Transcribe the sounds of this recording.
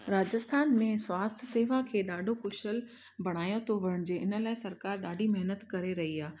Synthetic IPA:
ɾaːd͡ʑəst̪ʰaːnmẽswaːst̪ʰseːʋakʰeːɗaːɖʱokʊʃəl | bɐɽ̃aːjot̪ʰoʋɐɾəɽ̃d͡ʑeːʔɪnə̆laːɪsɐɾkaːɾɗaːɖʱimɐɦnət̪kɐɾeɾɐɦiaː

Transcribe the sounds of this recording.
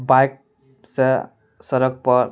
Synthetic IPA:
bajk̚ | se | sʌɾʌk̚pʌɾ

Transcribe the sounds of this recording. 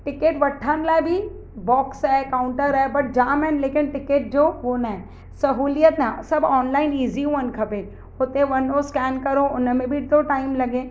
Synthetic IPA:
ʈɪkeːʈʋɐʈʰːaːnlaːbʱi | bɔːksɦɛkaːʊ̃ɳʈəɾɦɛbɐʈ̚d͡ʒaːmɛ̃nleːkɪnʈɪkeːʈ̚d͡ʒoːʋonaɛ | sɐɦuːlijət̪nasɐbɔːnlaːɪniːziɦũənkʰɐbẽ | ot̪eʋɐnoskɛːnkɐɾoʊnmẽbʱid̪oːʈaːɪmlɐɡẽː

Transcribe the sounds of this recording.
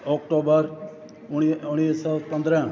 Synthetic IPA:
ɔːkʈoːbəɾ | ʊɽ̃isɔpə̃nd̪ɾə̃

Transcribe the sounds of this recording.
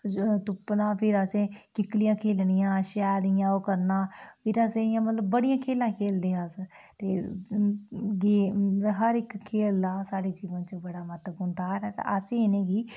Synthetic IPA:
t̪ʊpnãːpʰɪɾəsẽːkɪklijãːkʰeːlɳɪjãːʃɛːlɪjãːoːkəɾnãːpʰɪɾəsẽːjãːmət̪ləbːəɽijãːkʰeːlãːkʰeːld̪iːãːsə | t̪eː | ɡiːɦəɾɪkkʰːeːlaːsaːɽeːd͡ʒiːʋə̃ːt͡ʃəbəɽaːmət̪ləbʊ̃nd̪aːɾɛːt̪a̰əsẽːɪnẽːɡiː

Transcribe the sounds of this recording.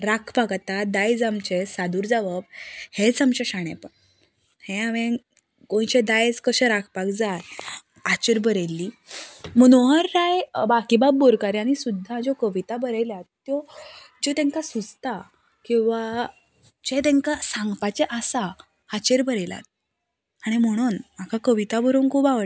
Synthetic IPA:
ɾakʰpakt̪ad̪ajd͡zamt͡ɕesad̪uɾd͡zaʋəbhet͡samɕəɕaɳ̃ḛpəɳ | hẽaʋẽ | kõj̃t͡ɕed̪ajd͡zkəɕəɾakʰpakd͡zat̪ | at͡ɕeɾbəɾelːiməñoɦəɾːajbakibab̚ːoɾkaɾeaɽ̃isud̪ʱːad͡ʑɔkəʋit̪abəɾejljat̪t̪ːjɔd͡ʑɔt̪ẽŋkasut͡st̪a | kĩw̃ʋa | d͡ʑet̪̬ẽŋkasãŋɡpat͡ɕɛʔasa | at͡ɕeɾbəɾela̰t̪̚ | aɽ̃im̤əɽ̃unmakʰakəʋit̪abəɾonkʰubaʋə

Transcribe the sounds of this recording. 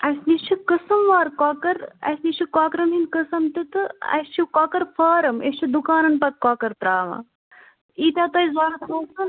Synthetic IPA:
ɐsniːt͡ʃʰikɨsɐmʋaːɾkaːkɐɾɐ̰snit͡ʃʰikaːkɾɐnɦinkəsɐmt̪it̪ɨɐ̰st͡ʃʰukaːkɐɾfaːɾɐmest͡ʃʰid̪ukaːnɐnpɐkaːkɐɾt̪ɾaːʋã̰ː | iːt̪aːt̪ɐisbaːɾɐt̪ʰɐmɐːsɐn

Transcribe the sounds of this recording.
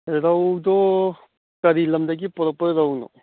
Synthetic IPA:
ɾawdɔ | kɐɾilɐmdɐɡipɔɾɔk̚pɐɾawnɔ̰

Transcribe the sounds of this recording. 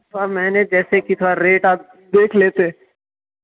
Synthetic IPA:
t̪ʰamɛ̃ːned͡ʒɛːsekit̪ʰoaɾeːʈaːp̚ | d̪eːkʰleːt̪e

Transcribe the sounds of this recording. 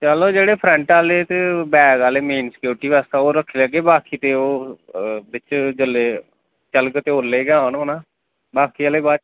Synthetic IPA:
t͡ʃəloːd͡ʒeːɽeːpʰɾə̃ɳʈaːleːt̪eːbɛːɡaːleːmeːnsə̥kjoːɾʈiːʋaːst̪aːoːɾəkʰːeːləɡeːbaːkʰiːt̪eːoː | bɪt͡ʃd͡ʒəlːeː | t͡ʃəlkt̪eːoːlːeːɡãːnɦənãː | baːkʰiːaːleːbaːt͡ʃ

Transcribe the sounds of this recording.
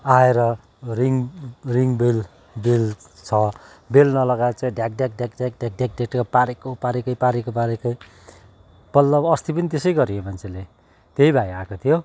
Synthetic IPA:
aeɾʌ | riŋriŋbel | bel | t͡sʰʌ | belnʌlʌɡat͡saj̃ɖjak̚ɖjak̚ɖjak̚djak̚ɖjak̚ɖjak̚ɖaʈkapaɾekopaɾekʌjpaɾekopaɾekʌj | b̥ʌlːʌbʌst̪ipʌnit̪esʌjɡʌɾiemant͡sʰele | t̪eɦibʱajakot̪ʰijo

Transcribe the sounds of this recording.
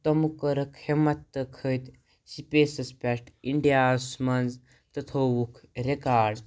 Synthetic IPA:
t̪ɐmukəɾɐkʰhemɐt̪ːəkʰəjt̪ | sipeːsɐspʲaʈiɳɖijaːsmɐnd͡z | t̪ɐt̪ʰowukʰɾekaːɖ

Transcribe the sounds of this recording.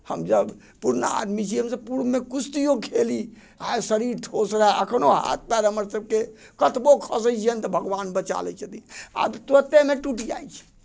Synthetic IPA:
həmd͡ʒəb | puɾnə̰a̰d̪mit͡ʃʰiɦəmsəpuɾmekust̪ijokʰeli | asəɾiɾʈ̪ʰosɾəɦeʔəkʰnoɦa̰t̪̚pɛɾɦəməɾsəb̚kekət̪bokʰəsəjt͡ʃʰiənt̪ɔbʱəɡbanbət͡ʃa̰lɛ̰t͡ʃʰət̪ia̰bt̪ət̪emeʈuʈia̰jt͡ʃʰɛ̥

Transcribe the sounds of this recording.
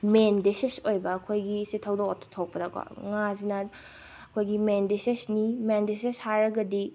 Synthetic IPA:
mendesesojbɐːkʰojɡisitʰɐwdokotʰo̥tʰok̚pɐdakwa̰ŋazinɐ | ɐkʰojɡimendesesnimendeseshaɾɐɡɐdi

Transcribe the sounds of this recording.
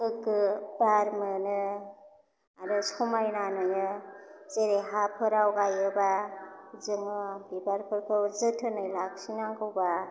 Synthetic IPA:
kɯkːɯbaɾmɯnɯ | aɾɯsumajnanɯnɯzeɾeɦapʰɯɾawɡajɯba | zɯmɯbibaɾpʰɯɾkʰɯwzɯtʰɯnɯjlak̚sinaŋɡɯwba

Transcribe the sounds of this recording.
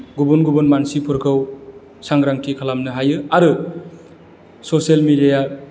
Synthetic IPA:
ɡubunɡubunmansipʰɯɾkʰɯw | saŋɾaŋtʰikʰalamnɯɦajɯaɾɯ | soselmidija

